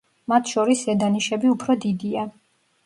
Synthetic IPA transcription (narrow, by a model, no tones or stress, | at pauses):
mat̪ʰʃɔɾisɛd̪aniʃɛbiupʰɾɔd̪id̪ia